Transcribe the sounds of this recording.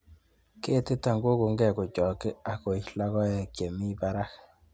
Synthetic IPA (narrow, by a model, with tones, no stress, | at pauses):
ke˦tɪ˦ta˨ŋɡo˦ko˨ŋɡɛ˨ko˨t͡ʃɔ˨kɪ˦a˨ko˨ila˦ɣɔ˦jɛ˨kje˨mi˦pa˦ɾa˦k